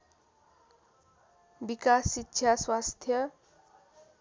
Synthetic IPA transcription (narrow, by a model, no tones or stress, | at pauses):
bikasːitːɕʰjaswast̪ʰjʌ